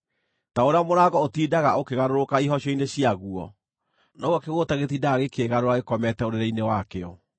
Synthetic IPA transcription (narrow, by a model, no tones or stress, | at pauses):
taoɾeamoɾaɡɔotiːdaɣaokeɣaɾoɾokaiɦɔɕɔineɕiaɣuɔ̰ | nɔɣwakeɣotaɣetiːdaːɣekeɣaɾoɾaɣekɔmɛtɛoɾeɾainewakeɔ